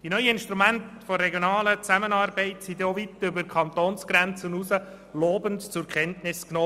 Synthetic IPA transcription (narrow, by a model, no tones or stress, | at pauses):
d̥inœʏəɪnʃtɾumænt̪ | fɔrːɛɡjonɑːlət͡sæmənɑːrbɛɪtsid̪oʋitʏbəɾkʰχɑnt̪oːnsɡ̥ɾænt͡sənusə | loːbəntt͡sʊɾkχɛntnɪsknoː